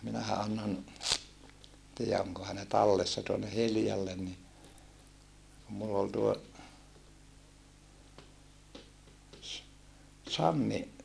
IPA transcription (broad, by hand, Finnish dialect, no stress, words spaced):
minæhæ ɑnːon tiːæ oŋkohɑ ne tɑlːesːɑ tuonːe hiljɑlːen ni kum mulː ol tuo s sɑnːi